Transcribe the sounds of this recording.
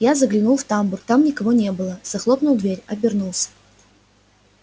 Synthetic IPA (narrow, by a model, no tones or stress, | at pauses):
jazəɡlʲɪnulˠft̪amburk̚t̪amnʲɪkɐvo̞nʲe̞bɨlˠəz̥ɐxlˠo̞pnʊlˠd̪vʲeɾʲɐbʲɪrnulˠsʲə̥